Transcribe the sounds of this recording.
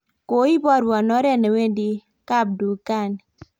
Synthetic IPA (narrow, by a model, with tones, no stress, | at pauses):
ko˨˦i˦bɔ˦ɾwɔ˨nɔ˦ɾɛ˦ne˨we˦ndi˦ | ka˦˨b̚du˨ka˦˨n